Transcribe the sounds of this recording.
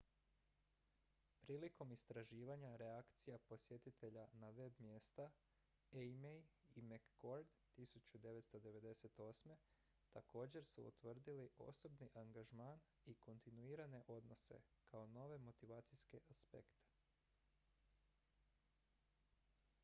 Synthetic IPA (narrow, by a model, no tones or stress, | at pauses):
pɾiːliko̞mist̪ɾaʒiːʋaɲaɾe̞akt̪sijapo̞sje̞t̪it̪ʰe̞ʎanaʋe̞bmje̞ːst̪a | emejimekːo̞ɾd̪ | t̪isut͡ɕud̪e̞ʋet̪st̪o̞d̪e̞ʋe̞d̪e̞se̞t̪o̞ːsme̞ | t̪ako̞ːd͡ʑe̞ɾsṵṵt̪ʋr̩d̪iliʔo̞̰so̞bniʔaŋɡaʒmaːn | iko̞nt̪inuiːɾane̞ʔo̞d̪no̞se̞̰kʰao̞no̞ʋe̞mo̞t̪iʋaːt̪sijske̞ʔaspe̞̰kt̪e̥